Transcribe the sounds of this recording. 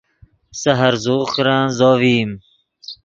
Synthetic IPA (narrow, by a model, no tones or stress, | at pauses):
sɐɦɐɾzuːxɾãːnzoːviːm